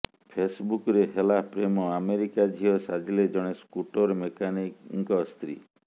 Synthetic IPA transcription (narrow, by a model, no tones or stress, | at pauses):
pʰesbukɾeɦelapɾemɔameɾikad͡ʒʱiɔsad͡ʒʱiled͡ʒɔɽ̃eskuʈɔɾmekanikŋkɔst̪ɾḭ